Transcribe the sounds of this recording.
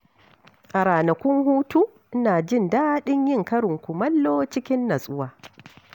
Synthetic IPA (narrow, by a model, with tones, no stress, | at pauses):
ʔa˨ɾaː˨nɐ˨kʷʊ˦ŋhuː˦tu˦ | ʔɪ˦naː˨d͡ʒɪ˦˨ndaː˦ɗɪ˦ɲjɪ˦ŋkɐ˦ɽɪ˨ŋkʷu˨mɐ˦lːoː˦t͡ʃɪ˦kʲɪ˦nːɐ˨sʼʊ˦waː˨